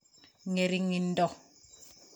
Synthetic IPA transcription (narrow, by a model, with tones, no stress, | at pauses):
ŋe˨ɾi˨ŋi˨n˦dɔ˦˨